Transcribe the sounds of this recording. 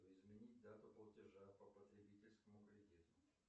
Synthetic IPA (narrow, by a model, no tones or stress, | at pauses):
ɪzmʲɪnʲit̚ʲd̪at̪ʊplˠətʲɪʐapəpət̪ɾʲɪbʲitʲɪlʲskəmʊkəɾʲɪdʲet̪ʊ